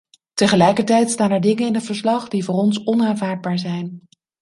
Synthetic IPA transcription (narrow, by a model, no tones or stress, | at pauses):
təχəlɛjkəɹtɛjtstaːnɛɹdɪŋənɪnətfəɹslɑχdivʊːrɔnsɔnaːnvaːɹd̚baːɹzɛjn